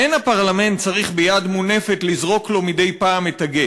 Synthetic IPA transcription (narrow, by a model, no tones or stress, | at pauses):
enapaʁlame̞ntt͡saʁiχbejad̪mune̞fetlizʁo̞klo̞mide̞jpaːmetaɡe